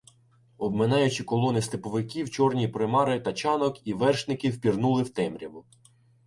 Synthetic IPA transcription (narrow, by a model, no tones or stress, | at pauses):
ɔbmɪnɑjʊt͡ʃikɔlˠɔnɪst̪epɔʋɪkʲiwt͡ʃɔrnʲipɾɪmɑɾɪt̪ɐt͡ʃɑnɔkiʋɛrʃnɪkɪwpʲirnulˠɪwt̪ɛmɾʲiʋʊ